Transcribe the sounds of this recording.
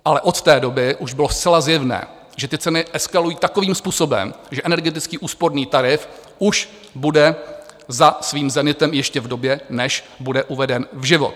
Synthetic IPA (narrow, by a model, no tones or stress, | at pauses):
ʔalɛʔo̞t̪t̪ɛːdo̞bɪʔuʒbɪlo̞st̪t͡sɛlazjɛvnɛ̰ː | ʒɛt̪ɪt͡sɛnɪʔɛskalujiːt̪ako̞viːmspuːso̞bɛ̰mʒɛʔɛnɛɾɡɛt̪̬ɪt͡skiːʔuːspoɾniːt̪aɾɪfʔuʃ | budɛzasviːmzɛnɪt̪ɛmjɛʃcɛvdo̞bjɛnɛʃ | budɛʔuvɛdɛnvʒɪvo̰t̪